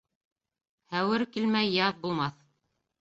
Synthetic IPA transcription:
hæwɘɾkilmæjːɑðbulˠmɑθ

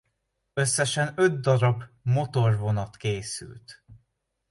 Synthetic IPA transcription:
ø̞sːɛʃɛnø̞d̪̚d̪ɒɾɒbmo̞t̪o̞rvo̞nɒt̪keːsy̰lt̪

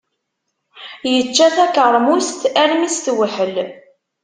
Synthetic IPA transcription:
jət͡ʃːæθækəɾˤmust̪æɾmist̪wəħəl

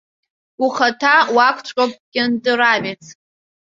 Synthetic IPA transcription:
uχatʰawakʷʰt͡ʃʷʼop̚ʼkʲɪndʼɨɾavet͡sʰ

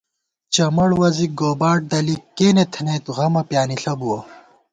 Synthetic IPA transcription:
t͡ɕɐmɐɽwɐziɡoːbaːʈ̚d̪ɐlikːeːnet̪ʰɐneːt̪ɣɐmɐpjaːniɬɐbuwɐ

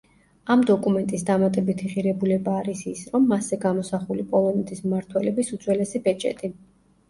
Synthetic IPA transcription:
amd̪ɔkʼumɛnt̪ʼisd̪amat̪ʼɛbit̪ʰiʁiɾɛbulɛbaːɾisisɾɔmːasɛɡamɔsaχulipʼɔlˠɔnɛt̪ʰismaɾt̪ʰwɛlɛbisut̪sʼwɛlɛsibɛt͡ʃʼɛ̰t̪ʼi

